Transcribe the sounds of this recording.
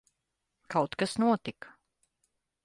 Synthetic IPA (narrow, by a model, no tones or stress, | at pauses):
kawt̪kasnuɔt̪ik